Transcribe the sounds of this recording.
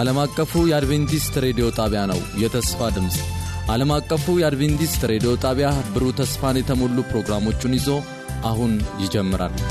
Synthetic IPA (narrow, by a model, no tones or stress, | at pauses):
ʔaləmakʼːəfujɛad̪βent̪ist̪ɾe̞d̪io̞t̪ʼaβjanə̰wjɛt̪ʰəsfad̪ɨmsʼʔaləmakʼːəfujɛad̪βent̪ist̪ɾe̞d̪ijo̞t̪ʼaβjabɨɾut̪ʰəsfanjɛt̪ʰəmolːupɾo̞ɡɾamo̞t͡ʃːɪnɪzo̞ | ʔahunjɪd͡ʒɛmːɨɾa̰l